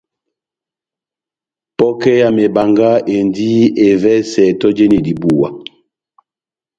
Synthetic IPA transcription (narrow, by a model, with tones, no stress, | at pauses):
pɔ˦kɛ˦ja˨me˨ba˨ŋɡa˦ʔe˨ndi˦e˨vɛ˦sɛ˨tɔ˦d͡ʒe˦ni˨di˨bu˨wa̰˨